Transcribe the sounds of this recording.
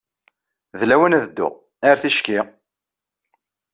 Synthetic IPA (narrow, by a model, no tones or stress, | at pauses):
ðlæwənæðd̪ːʊ̰ʁ | æɾθiʃki